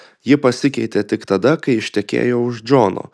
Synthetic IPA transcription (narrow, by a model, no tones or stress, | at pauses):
jɪpɐsʲɪkʲɛɪt̪ʲeːt̪ʲɪkt̪ɐd̪ɐkɐɪɪʃʲt̪ʲɛkʲḛːjoːʊʒd͡ʒoːno̰ː